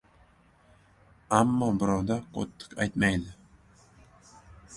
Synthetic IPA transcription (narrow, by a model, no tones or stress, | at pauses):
amːɒbɪɾɑwd̪ɑqʰo̰t̪ʰːɨ̥qa̰jt̪majd̪ɪ